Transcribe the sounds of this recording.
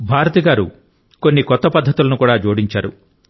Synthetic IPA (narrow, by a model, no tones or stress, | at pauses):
bʱaːɾɐt̪iɡaːɾṵ | ko̞nːikɔt̪ːɐpɐd̪ʱːɐt̪ulɐnukuːɽaːd͡ʒoːɽiɲt͡ʃaːɾṵ